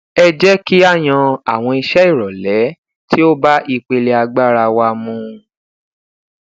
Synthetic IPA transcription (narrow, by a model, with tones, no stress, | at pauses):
ɛ˧d͡ʒɛ˦ki˦a˦˨j̃ã˧a˨w̃ɔ̃˧i˧ʃɛ˦i˦˨ɾɔ˨lɛ˨˦ | tʰi˦o˦ba˦ʔi˧k͡pe˧le˧a˧ɡ͡ba˦ɾa˧wa˧mũ˧